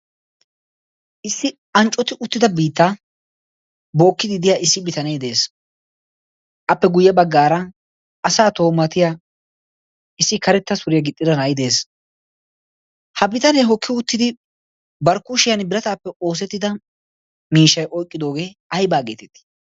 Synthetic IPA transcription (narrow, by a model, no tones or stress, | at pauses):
ʔɪsːɪ | ɐnt͡ʃʼːɔt̪ɪʔʊt̪ːɪd̪ɐbiːt̪ːa | bo̞ːkːɪd̪ɪd̪ɪjaːʔɪsːɪbɪt̪ɐneːd̪e̞ːs | ʔɐpːɛɡʊjːɛbɐɡːaːɾɐ | ɐsaːt̪o̞ːmɐt̪ɪja | ɪsːɪkɐɾɛt̪ːɐsʊɾɪjɐɡɪt̪ʼːɪd̪ɐnajɪd̪e̞ːs | hɐbɪt̪ɐneːɦɔkːɪʊt̪ːɪd̪ɪ | bɐɾkːʊʃɪjɐnbɪɾɐt̪aːpːɛʔo̞ːs̬ɛt̪ːɪd̪ɐ | miːʃːɐjʔɔjkʼːɪd̪o̞ːɡe̞ːɐjbaːɡe̞ːt̪ɛt̪ːɪ̥